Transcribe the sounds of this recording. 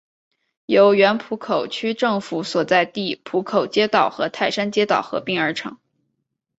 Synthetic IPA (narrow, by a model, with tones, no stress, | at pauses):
jo˧˥ʊɥɛ˧˥npʰu˧˥kʰo˨˩ʊt͡ɕʰy˥ʈ͡ʂɤ˥˩ŋfu˧˥swɔ˨˩t͡sa˥˧ɪt̪i˥˩pʰu˧˥kʰo˨˩ʊt͡ɕjɛ˥t̪ɑ˨˩ʊxɤ̰˧˥t̪ʰa˥˩ɪʂa˥nt͡ɕjɛ˥t̪ɑ˨˩ʊxɤ̰˧˥pi˥˩ŋə˞˧˥ʈ͡ʂʰɤ̰˧˥ŋ